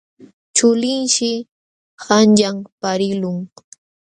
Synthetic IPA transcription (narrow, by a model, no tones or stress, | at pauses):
t͡ʃʊlɪnʃɪ | xanʎampaɾɪlʊŋ